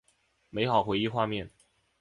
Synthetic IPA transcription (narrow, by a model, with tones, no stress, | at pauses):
me˧˥ɪxɑ˨˩ʊxwe˧˥ɪi˥˧xwa˥˧mjɛ˥˩n